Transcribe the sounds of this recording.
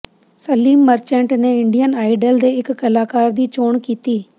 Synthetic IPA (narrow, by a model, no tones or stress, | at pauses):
səliːmːəɾt͡ʃɛ̃ːɳʈneːɪɳɖijənaːiɖəld̪eːɪkːəlaːkaːɾd̪iːt͡ʃoːɳkiːt̪iː